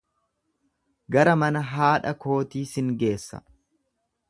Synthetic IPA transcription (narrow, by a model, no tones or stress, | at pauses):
ɡɐɾɐmɐnɐɦaːᶑɐko̞ːt̪iːsɪŋɡe̞ːsːɐ̰